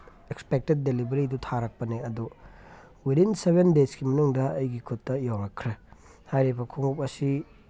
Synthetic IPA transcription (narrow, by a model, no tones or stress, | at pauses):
ekspek̚ted̚ːelibɐɾidutʰaɾɐk̚pɐneɐdu | wiɾinsebendeskimɐnuŋdɐːjɡikʰutːɐjawɾɐkʰːɾe | hajɾebɐkʰuŋup̚ɐsi